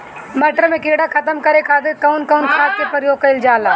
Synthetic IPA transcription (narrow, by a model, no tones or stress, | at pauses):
mɐʈɾəmẽkeːɽakʰɐt̪əmkɐɾekʰaːd̪ekɐʊnkɐːnkʰaːd̪̚kepɐɾjoːɡ̚kɐɪld͡ʒaːla